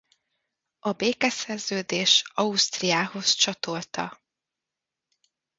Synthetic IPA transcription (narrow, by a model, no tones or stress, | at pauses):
ɒbeːkɛsɛrzøːd̪eːʃɒust̪rijaːho̞st͡ʃɒt̪o̞lt̪ɒ̰